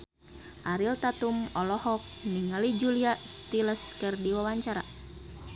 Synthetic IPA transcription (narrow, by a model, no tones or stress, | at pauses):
ʔaɾilt̪at̪umɔlɔhɔk̚niŋəlid͡ʒuliast̪iləskərdiwawaɲt͡ʃaɾa̰